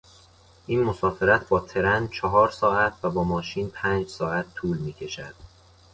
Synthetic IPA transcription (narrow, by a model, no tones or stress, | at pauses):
ʔiːnmosɒːfeɾæt̪ʰbɒːt̪ʰe̞ɾænd̪̚t͡ʃʰɒɦɒːɾsɒːæt̪ʰvæbɒːmɒːʃiːnpʰæːnd͡ʒsɒːʔæt̪ʰːuːlmiːcʰe̞ʃæd̪̥